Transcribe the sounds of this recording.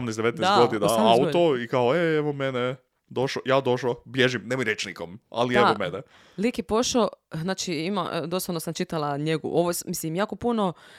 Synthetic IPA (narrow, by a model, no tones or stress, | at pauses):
mnesd̪eet̪nɛsɡoinaaut̪oikaoeeʋomene | d̪o̞ʃojaːd̪o̞ʃlobjeʒimnemojɾjet͡ʃnikoma̰lieomenɛ | likjepoʃoznaːt͡ʃiima̰d̪osoaʋnosamt͡ʃit̪alaɲeɡṵʔoʋomislimjaːko̞puno